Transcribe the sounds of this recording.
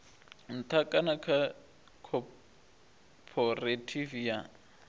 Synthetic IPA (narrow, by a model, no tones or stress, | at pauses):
n̩t̪ʰakʼanakʰa | kʰɔ | pʰɔratʰivja